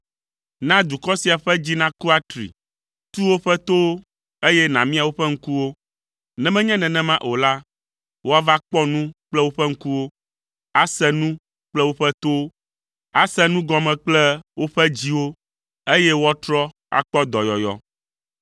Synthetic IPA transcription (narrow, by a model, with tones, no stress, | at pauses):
nã˦d̪u˨kɔ˦si˨a˨ɸɛ˦d͡ʑi˦nã˦ku˦a˦t̪ɾḭ˨ | t̪u˦wo˦ɸɛ˦t̪o˦wo˦ | e˦jɛ˦nã˨mĩ˦a˨wo˦ɸɛ˦ŋ̩˦ku˦wo˦ | nɛ̃˨mɛ̃˦ɲɛ̃˦nɛ̃˨nɛ̃˦mã˦ʔo˨la˦ | wo˦a˦va˦k͡pɔ˦nũ˦k͡plɛ˦wo˦ɸɛ˦ŋ̩˦ku˦wo˦ | a˦sɛ˦nũ˦ | k͡plɛ˦wo˦ɸɛ˦t̪o˦ | a˨sɛ˦nũ˦ɡɔ˦mɛ̃˨k͡plɛ˦wo˦ɸɛ˦d͡ʑi˦wo˦ | e˦jɛ˦wo˦a˦t̪ɾɔ˦ | a̰˨k͡pɔ˦d̪ɔ˨jɔ˨jɔ̰˨